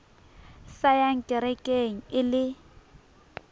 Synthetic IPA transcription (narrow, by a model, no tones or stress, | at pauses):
sajaŋ̩kʼɪɾɛkʼeŋ̩ɪlɪ